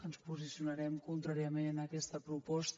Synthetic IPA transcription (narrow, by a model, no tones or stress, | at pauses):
ənspuzisiunəɾɛmkunt̪ɾaɾiəmenəkɛst̪əpɾupɔst̪